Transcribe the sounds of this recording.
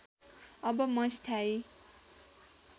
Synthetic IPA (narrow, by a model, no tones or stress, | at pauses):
ʌbʌmʌst̪ʰai